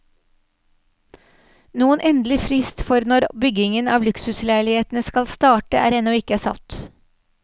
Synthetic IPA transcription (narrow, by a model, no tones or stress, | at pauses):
nuːənʔɛnd̪lɪfɾɪst̪fɔɾnɔɾbʏɡɪŋənɑːʋlʉksʉslæɪlɪheːt̪n̩əskɑlst̪ɑːʈəʔæ̰ːɾɛnɔɪkəæːsɑ̰t̪